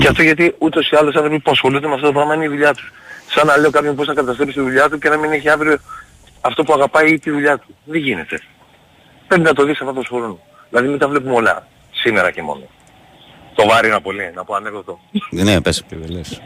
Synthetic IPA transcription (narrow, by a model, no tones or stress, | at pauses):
ceɐft̪o̞ʝɐt̪iut̪o̞siɐlo̞sɐnθɾo̞pispuɐsxo̞lund̪emeɐft̪ot̪oɾɐɣmɐineiðuʎɐt̪u̥ssɐnːɐle̞o̞kɐpçop̬o̞snɐkɐt̪ɐst̪ɾepist̪iðuʎɐt̪uce̞nɐmineçiɐnθɾopo | ɐft̪o̞puɐɣɐpɐit̪iðuʎɐt̪u̥ðeʝine̞t̪e̞ | pɾebinɐt̪o̞ðiksɐfɐft̪osxo̞ɾun | ðilɐðimit̪ɐvlep̬umo̞lɐ̰ | sime̞ɾɐce̞mo̞̰no | t̪o̞vɐɾinɐpo̞linɐpoɐneɣot̪onepesceveles